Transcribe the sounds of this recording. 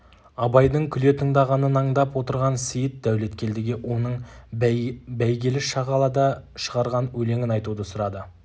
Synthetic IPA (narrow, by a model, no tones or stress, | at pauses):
ɑbɑjd̪əɴkʲʰʏle̞t̪ʰəŋd̪ɑʁɑnənɑɴd̪ɑpwo̞t̪əɾʁɑnsijɪt̪̚d̪æwle̞t̪kʲe̞ld̪ɪɡʲeʔwʔo̞nəɴ | bæjɡʲe̞lɪʃɑʁɑlˠɑd̪ɑʃəʁɑɾʁɑnwɵle̞ŋʲɪnɑjt̪ud̪əsʊɾɑd̪ə